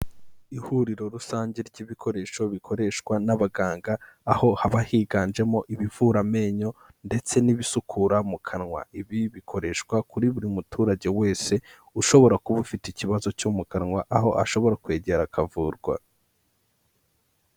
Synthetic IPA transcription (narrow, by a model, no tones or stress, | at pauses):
ihuɾiɾo̞ɾusaːɲɟeɾɟiːβikʰo̞ɾe̞ʃo̞βikʰo̞ɾe̞ʃkwanaβaɡaːŋɡaːho̞haβahiːɡaːnd͡ʒe̞mo̞ʔiβivuɾame̞ɲo̞ | nde̞t͡se̞niβisukʰuɾamukʰanŋwa̰iβiβikʰo̞ɾe̞ʃkwakuɾiβuɾimutʰuːɾaɟe̞we̞ːse̞ | uʃo̞βo̞ɾakuβufiticiβazo̞comukanŋwaʔaɦo̞a̰ʃo̞βo̞ɾakwe̞ːɟe̞ɾakʰavuːɾɡwa̰